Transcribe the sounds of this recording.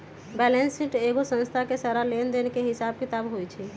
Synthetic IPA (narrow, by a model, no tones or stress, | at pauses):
bɛlensiʈeɡosə̃nst̪ʰakesaɾalend̪enekeɦɪsab̚kit̪abɦojt͡ʃʰi